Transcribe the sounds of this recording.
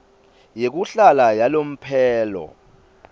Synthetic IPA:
jek̬uɬalajalom̩pʰɛːlɔ̰

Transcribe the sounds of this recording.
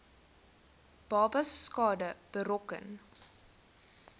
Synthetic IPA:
b̥ɑːbɐsːkɑːdəb̥əɾɔkə̰n

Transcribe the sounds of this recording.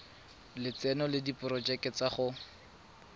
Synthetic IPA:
lɪt͡sɛnɔlɪdipʊrɔd͡ʒɛkɪt͡saχʊ

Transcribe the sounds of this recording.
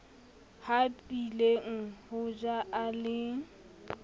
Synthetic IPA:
hadileŋ̩hʊd͡ʒaʔalɪ

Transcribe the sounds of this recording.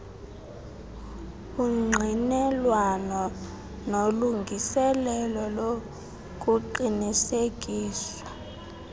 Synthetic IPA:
uŋ͡ǀʱinɛlwanɔ | noluŋɡʱisɛlɛlɔlo | k̬ʼuǃinisek̬ʼiːsḁ

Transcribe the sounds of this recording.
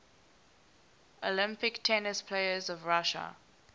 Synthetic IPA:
ʔəlɪ̃mpɪktʰɛnɪspʰleɪəzɔvɹaʃə̰

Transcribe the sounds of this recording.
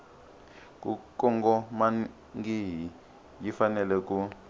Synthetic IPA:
kʼukɔŋɡɔma | ŋɡiɦi | jifanɛlɛku

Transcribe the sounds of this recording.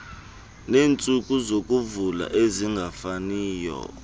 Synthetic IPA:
neːnt͡sʼukʼuzok̬ʼuvula̰ʔeziŋɡʱafaniːjɔ̰

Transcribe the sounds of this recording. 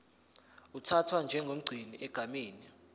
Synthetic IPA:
utʰatʰwand͡ʒʱɛŋɡʱom̩ɡ͡ǀʱiniʔɛɡ̥ʱamiːni

